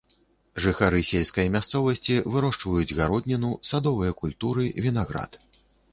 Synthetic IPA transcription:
ʐɨxaɾɨsʲelʲskɐjɐmʲast̪sɔvɐsʲt͡sʲivɨɾɔʂt͡ʂvɐjud͡zʲɣaɾɔd̪ʲnʲɐnusad̪ɔvɨjɐkulʲt̪uɾɨvʲinaɣɾa̰t̪

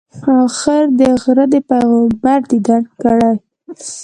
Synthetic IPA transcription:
ɑwxəɾd̪əɣɾəd̪əpaɣobaɾd̪id̪aɽkəɽaj

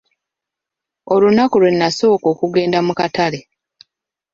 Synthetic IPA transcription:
o̞lunakulwe̞nːaso̞ːko̞ːkuɡe̞ːndamukatale̞

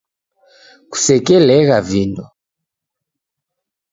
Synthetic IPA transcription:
ku̥sɛkɛlɛɣavindɔ

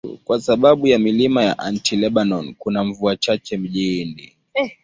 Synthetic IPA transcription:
kwasaɓaɓujamilimajaʔantilɛɓanɔnkunam̩vuat͡ʃat͡ʃɛm̩ʄindi

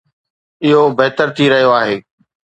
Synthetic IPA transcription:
ɪɦobeɦt̪əɾt̪ʰiɾɐɦijoaːɦeː

